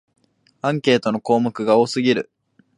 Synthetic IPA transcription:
ãŋke̞ːt̪o̞no̞ko̞ːmɯ̟kɯ̟ɡao̞ːsɨɡʲiɾɯ̟

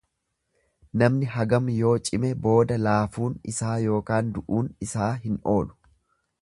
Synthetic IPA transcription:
nɐmnɪɦɐɡɐmjo̞ːt͡ʃʼɪmɛbo̞ːd̪ɐlaːfuːnɪ̰saːjo̞ːkaːnd̪ʊʔuːnɪsaːɦɪnʔo̞̰ːlʊ̥

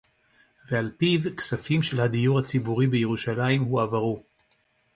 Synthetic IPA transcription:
vealpivksafimʃe̞lhad̪ijuʁhat͡sibuʁibeje̞ʁuʃalaimhuavaʁu

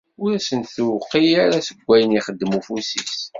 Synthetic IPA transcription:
ʊɾæsənθuwqːijaɾæsəɡʷːæjəniχəd̪ːəmufusis

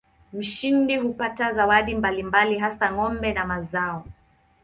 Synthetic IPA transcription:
m̩ʃindihupatazawaɗimbalimbaliɦasaŋɔmbɛnamazaɔ

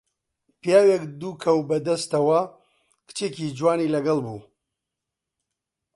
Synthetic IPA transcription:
pijaːwekd̪uːkʰɐwbɐd̪ɐst̪ɐwɐ | kɨ̥t͡ʃekid͡ʒwaːniːlɐɡɐlbṵː

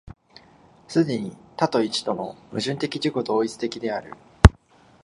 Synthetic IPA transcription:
sɨd̪e̞ɲ̟it̪at̪o̞it͡ɕi̥t̪o̞mo̞mɯ̟ʑɨ̃nt̪e̞kʲiʑiko̞d̪o̞ːit͡sɨ̥t̪e̞kʲid̪e̞aɾɯ̟̰

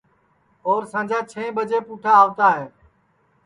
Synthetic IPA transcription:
oːɾsãːd͡ʒʱaːt͡ʃʰẽːĩːɓəd͡ʒeːpuːʈʰaːʋt̪aːɦeː

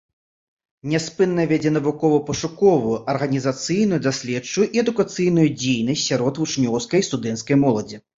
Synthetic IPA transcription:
nʲɛspɨnːɐvʲɛd͡zʲɛn̪ɐvukɔvɐpɐʂukɔvujuʔɐrɣɐnʲizat̪sɨjnujud̪asʲlʲɛt͡ʂːujuʔiɛd̪ukat̪sɨjn̪ujud͡zʲejnɐsʲtʲsʲaɾɔt̪vut͡ʂnʲɔwskɐjst̪ud̪ɛnt̪skɐjmɔlˠɐd͡zʲi

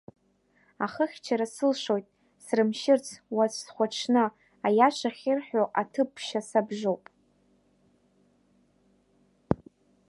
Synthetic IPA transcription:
aχəχʲt͡ʃʰaɾasɨlʃo̞jtʼ | srɨmʃɪrt͡sʰwazʷʰsχʷaʈ͡ʂʰnɨ | ajaʃʷaχʲɪrħʷᶣoʔatʰɨpʰʃasabʒʷowpʼ

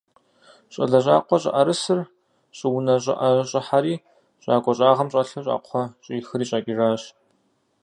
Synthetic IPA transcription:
ɕʼɐ̰ɮɐɕʼa̰ːqʷɔɕʼɪ̰ʔɐɾɨsɨr | ɕʼɪwnɐɕʼɪ̰ʔɐɕʼɪħaɾiː | ɕʼaːkʷʼɔɕʼaːʁɐmɕʼɐɬɐɕʼa̰ːqʷʰɔɕʼiːxɨriːɕʼaːkʲʼiʒaːɕ

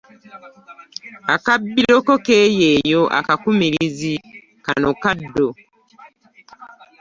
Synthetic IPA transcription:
akabːilokokejejoʔa̰kakumiɾizi | kanokadːo

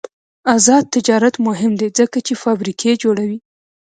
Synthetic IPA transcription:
azɑd̪̚t̪ɪd͡ʒɑɾat̪mʊɦɪmd̪ed͡zəkat͡ʃefɑbɾikʰed͡ʒoɽawi

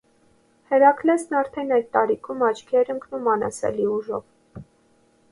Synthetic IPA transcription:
hɛɾɑkʰlɛsnɑɾt̪ʰɛnɑjd̪̚t̪ɑɾikʰumɑt͡ʃkʰiɛɾəŋkʰnumɑnɑ̰sɛ̰liuʒɔ̰v

